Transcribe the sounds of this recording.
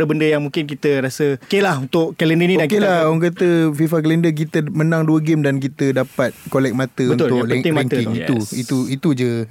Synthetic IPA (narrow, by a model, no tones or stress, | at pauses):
əbəndəjaŋmũŋkɪnk̬it̪əɾasəkelahunt̪ʊʔkɛləndənĩdankelaoŋk̬at̪əfifaklɛndək̬it̪əmənaŋduəɡɪmdank̬it̪ədapat̪̚kolɛk̚mat̪əbəunʊtlʊkəɪŋmaɛŋəkɪŋit̪uit̪uit̪ud͡ʒə